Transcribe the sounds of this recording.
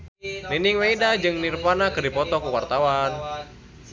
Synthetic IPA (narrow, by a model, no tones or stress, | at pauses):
niniŋweidad͡ʒɨŋnirpanakɨrdipɔt̪ɔkuwart̪awan